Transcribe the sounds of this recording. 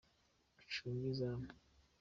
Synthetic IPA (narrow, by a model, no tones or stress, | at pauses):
t͡ʃuŋɡiza